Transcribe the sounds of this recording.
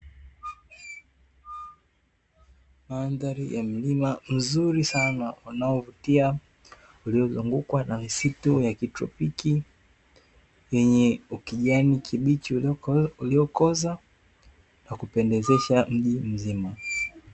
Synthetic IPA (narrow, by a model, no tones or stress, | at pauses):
manðaɾijam̩limam̩zuɾisanaunaɔvutia | uliɔzuŋɡukwanamisitujakitɾɔ̰piki | jɛɲɛukiʄanikʰiɓit͡ʃiuliɔkɔza | nakupɛndɛzɛʃam̩ʄim̩zima